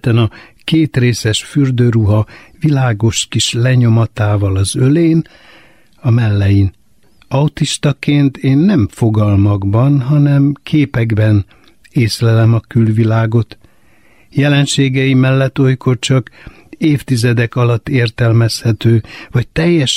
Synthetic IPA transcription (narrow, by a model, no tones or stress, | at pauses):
t̪ɛnɒkeːt̪reːsɛʃfyrd̪øːɾuɦɒvilaːɡo̞ʃkiʃlɛɲo̞mɒt̪aːvɒlɒzøleːn | ɒmɛlːɛjin | ɒut̪iʃt̪ɒkeːnt̪eːnːɛɱfo̞ɡɒlmɒɡbɒnɦɒnɛmkʰeːpɛɡbɛn | eːslɛlɛmɒkylvilaːɡo̞t̪ | jɛlɛnʃeːɡɛjimɛlːɛt̪ːo̞jko̞rt͡ʃɒk | eːft̪izɛd̪ɛkɒlɒt̪ːeːrt̪ɛlmɛshɛt̪øːvɒc̚t̪ɛjːɛʃ